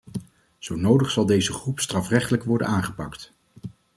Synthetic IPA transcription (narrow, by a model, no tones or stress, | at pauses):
z̥ownowdəχsɑlˠdejzəχrupstrɑfrɛχtələkʋɔɹdə̰naːnχəpɑkt